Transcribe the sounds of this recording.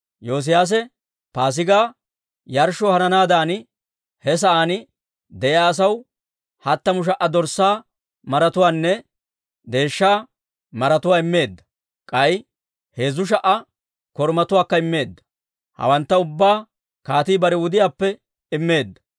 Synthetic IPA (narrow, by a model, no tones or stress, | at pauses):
jo̞ːs̬ɪjaːs̬ɛ | paːs̬ɪɡaː | jɐɾʃɔhɐnɐnaːd̪aːnɪ | hɛs̬ɐʔaːnɪ | d̪ɛʔɪaːs̬ɐw | hɐt̪ːɐmʊʃ̬ɐʔːɐd̪ɔɾsːaː | mɐɾɐt̪ʊwaːnːɛ | d̪e̞ːʃːaː | mɐɾɐt̪ʊwaːɪmːe̞ːd̪ːɐ̥ | kʼɐj | he̞ːzːʊʃ̬ɐʔɐ | kɔɾmɐt̪ʊwaːkːɐɪmːe̞ːd̪ːɐ̥ | hɐ̰wɐnt̪ːɐʊbːaː | kaːt̪iːbɐɾɛwʊd̪ɪjaːpːɛ | ɪmːe̞ːd̪ːɐ̥